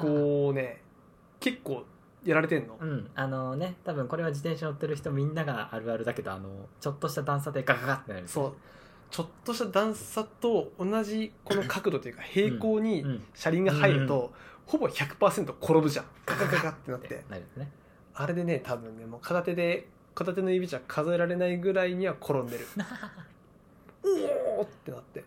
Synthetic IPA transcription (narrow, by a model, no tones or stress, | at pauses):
kone̞ | ke̞kːo̞ː | jaɾaɾe̞t̪̬ẽ̞nːo̞ɯ̟̃ɴano̞ne̞t̪abɯ̟̃ŋko̞ɾe̞β̞ad͡ʑit̪ẽɕaɲot̪ːe̞ɾɯ̟çi̥t̪omʲĩnːaɡaaɾɯ̟aɾɯ̟d̪ake̞d̪o̞a̰no̞̰t͡ɕo̞t̪ːo̞ɕi̥t̪ad̪ãɰ̃s̬at̪ekakakat̪ːe̞naɾisoː | t͡ɕo̞t̪ːoɕi̥t̪ad̪ãɰ̃ssat̪o̞onaʑiko̞nokʰakɯ̟d̪o̞t̪ojɯ̟kahe̞ːko̞ːɲ̟iɕaɾʲĩŋɡahaiɾɯ̟tt̪o̞ho̞bo̞çakɯ̟̥paːsẽ̞nt̪o̞kʰo̞ɾobɯ̟ʑãŋkakakakat̪ːe̞nat̪ːe̞̰naɾʲisne | aɾe̞d̪e̞ne̞t̪abɯ̟̃nːe̞moːkʰat̪at̪e̞d̪e̞ | kat̪at̪e̞no̞ibʲit͡ɕiakʰazoe̞ɾaɾe̞naiɡɯ̟ɾaiɲ̟iβakʰo̞ɾõnd̪e̞ɾɯ̟ | ot̪ːe̞nat̪ːe̞